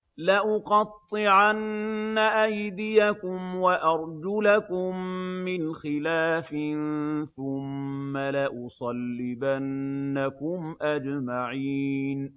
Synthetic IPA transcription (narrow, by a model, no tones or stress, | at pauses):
laʔʊqɑt̪ˤːɨʕanːaʔajd̪ɪjakʊmwaʔɑɾˤd͡ʒʊlakʊmːɪnxɪlaːfɪnθʊmːalaʔʊsˤɑlːɪbanːakʊmʔad͡ʒmaʕiːn